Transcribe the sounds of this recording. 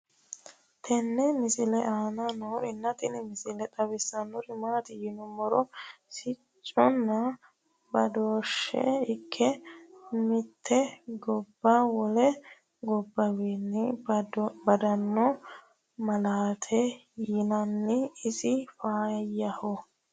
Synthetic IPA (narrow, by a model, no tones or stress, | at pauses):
t̪ʰɛnːɛmɪsɪlɛʔaːnanoɪnːɐt̪ɪnɪmɪsɪlɛt̪ʼɐbɛsːɐnːɔɾɪmaːt̪ɪjɪnɔmɔɾɔsɪ | t͡ʃʼːɔnːɐ | bɐd̪oːʃːɛ̰ɪkʰːɛ | mɪt̪ʰːɛɡɔbːawɔlɛ | ɡɔbːɐweːnːɪ | bɐd̪ɐnːɔ | mɐlaːt̪ʰɛ | jɪnɐnːɪɪsɪfaːjɐhɔ